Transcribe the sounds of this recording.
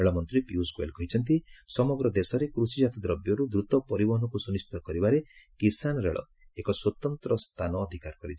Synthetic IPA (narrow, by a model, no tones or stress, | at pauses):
eɭɔmɔnt̪ɾipjuskuḛlkɔɦit͡ʃʰɔnt̪̬isɔmɔɡɾɔd̪esɔɾekɾusid͡ʒat̪id̪ɾɔbjɔɾud̪ɾut̪ɔpɔɾibɔɦɔnɔkusunist̪it̪ɔkɔɾibaɾekisanɔɾḛɭʔɔ̰ | ekɔswɔt̪ɔnt̪ɾɔst̪ʰanɔːd̪ʱikaɾɔkɔɾit͡ʃʰ